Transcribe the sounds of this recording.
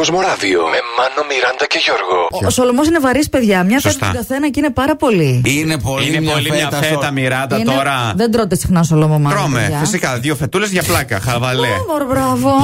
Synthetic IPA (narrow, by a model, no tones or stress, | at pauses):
ozmoɾɐvio̰memɐnomiɾɐnd̪ɐce̞ʝoɾɣosolomosinevɐɾispe̞ðʝɐmɲɐfsetsɐt̪ɐ̰ɡɐθe̞nɐcine̞pɐɾɐpo̞liinepoliineoliɲɐfet̪ɐmiɾɐnd̪ɐnt̪oɾɐðend̪ɾo̞t̪esixnɐnsolomomɐɾomefɐfisikɐðiofe̞t̪ule̞zʝɐplɐkɐxɐvɐlemoɾbɾɐvo